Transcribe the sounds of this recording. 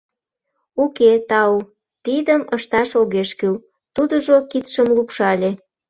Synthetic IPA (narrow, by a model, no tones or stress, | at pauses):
uket̪ɑu | t̪id̪əməʃt̪ɑʃoɣeʃkyl | t̪ud̪əʒokit̪ʃəmlupʃɑlʲe